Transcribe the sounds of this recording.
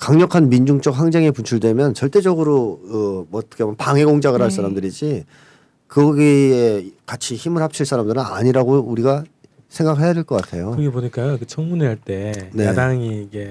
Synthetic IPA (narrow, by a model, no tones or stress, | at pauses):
kaŋɲʌkʰanmind͡ʑuŋt͡ɕ͈ʌk̚ɸaŋd͡ʑeŋepunt͡ɕʰuɭdwe̞mjʌnt͡ɕʌɭt͈e̞d͡ʑʌɡɯɾoɯmʌt͈ʰʌ̥kʰemʌnpaŋɦe̞ɡoŋd͡ʑaɡɯɭɦaɭs͈aɾamdɯɾid͡ʑi | kɯɡʌɡiekat͡ɕʰiçimɯɭhap̚t͡ɕʰiɭs͈aɾamdɯɾɯna̰ɲiɾaɡouɾiɡa | sʰe̞ŋɡakɦʰejadeɭk͈ʌk͈atʰe̞jokɾɡeboɲik͈ajoikɯt͡ɕʰʌŋmuneɦaɭt͈e̞ne̞adaŋiːɡe